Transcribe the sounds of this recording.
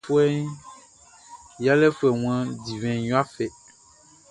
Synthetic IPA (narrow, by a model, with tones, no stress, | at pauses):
fu˦ɛ˦ | ja˦lɛ˦fu˦ɛ˨ŋ̃˨˦ã˦di˨vɛ̃˨jɔ̃˦a˦fɛ˨